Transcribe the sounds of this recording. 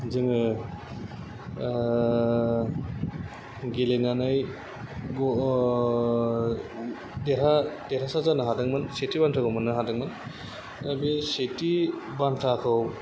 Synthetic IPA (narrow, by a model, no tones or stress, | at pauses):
zɯŋɯ | ɡelenanɯj | ɡɔ | deɾadeɾasazanɯɦadɯŋmɯnsetibantʰaɡɔmɯnɯɦadɯŋmɯn | abisetibantʰakʰɯw